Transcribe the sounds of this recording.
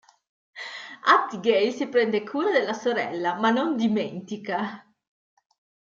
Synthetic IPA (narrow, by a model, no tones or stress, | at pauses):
at̪ɡɛjsipɾɛnd̪ekʰuːɾad̪elːasoɾɛ̰lːamanːond̪iment̪ika